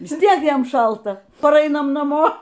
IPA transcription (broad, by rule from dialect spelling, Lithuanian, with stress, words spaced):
ˈʋʲɪs ˈtʲiɛk ˈjɛm ˈʃɐlˠtɐ pɐˈrɐɪnɐm nɐˈmoː